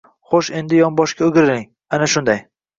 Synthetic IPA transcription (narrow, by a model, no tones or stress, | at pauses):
χoʃe̞nd̪ɪjɒmbɒʃkʲaʊɡʲɾɪlɪŋ | anaʃʊnd̪aj